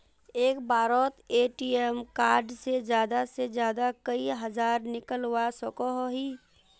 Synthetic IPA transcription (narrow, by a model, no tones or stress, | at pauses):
eːkbaːɾɔːt̪eːʈiemkaːɾɖsed͡ʒjaːd̪ased͡ʒjaːd̪akəiɦəzaːɾnɪkəlwasɔkoɦoɦiː